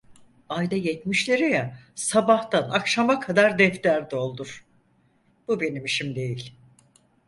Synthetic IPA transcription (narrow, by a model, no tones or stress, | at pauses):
ajd̪ajɛt̪miʃlʲeɾijasabaht̪anakʃamakʰad̪aɾd̪ɛft̪æɾd̪ɛo̞lˠd̪uɾ̥ | b̥ube̞nimʃimd̪e̞jilʲ